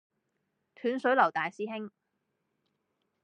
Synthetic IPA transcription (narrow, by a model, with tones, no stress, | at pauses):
t̪ʰyː˨˥nsɵ˨˥lɐ˨˩wt̪aː˨jsiː˥ɦɪ˥ŋ